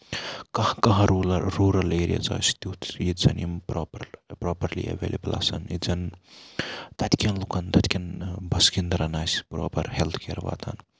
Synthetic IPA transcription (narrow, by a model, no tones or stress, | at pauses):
kɐhkɐɦɐ̃ɾulɐɾuɾɐleːɾijɐ̰t͡sɐ̰ːst̪ut̪ʰjizɐ̰nimpɾopɐɾpɾoːpɐɾlḭɐ̰ʋḛːlebɐla̰sɐ̰nizɐn | t̪ɐt̪kʰɐnlukɐnt̪ɐt̪ʰʲkʰʲɐnbɐskind̪ɐɾɐnaːspɾo̰ːpɐɾhelt̪ʰkeːɾʋa̰ːd̪ɐ̰n